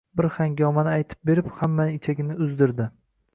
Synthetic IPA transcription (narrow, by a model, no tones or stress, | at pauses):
bɪɾhaŋɡʲɒmanɪajt̪ʰɪ̥p̚be̞ɾɪphamːaɪt͡ʃʰaɡʲɪnɪʊzd̪ɪɾd̪ɪ